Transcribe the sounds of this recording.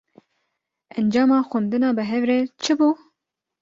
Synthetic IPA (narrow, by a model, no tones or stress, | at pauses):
ɛnd͡ʒɑːmɑːxʷʊnd̪ɨnɑːbɨɦɛvɾɛt͡ʃʰɨbuː